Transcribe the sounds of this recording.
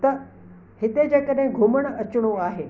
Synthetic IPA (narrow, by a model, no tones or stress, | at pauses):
t̪ɐ | hɪt̪ed͡ʑeːkəɗɦɪ̃ɡʱʊməɽ̃ɐt͡ɕɪɽ̃oaːɦeː